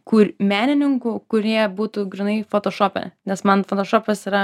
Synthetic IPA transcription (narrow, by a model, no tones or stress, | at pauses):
kuːɾʲmʲæːnʲɪnʲɪŋkʊkʊɾʲiɛbuːt̪uːɡɾʲɪnɐɪfoːt̪oːʃoːpʲɛ̰nʲɛsmɐnfot̪oːʃoːpʲɐsiːɾɐ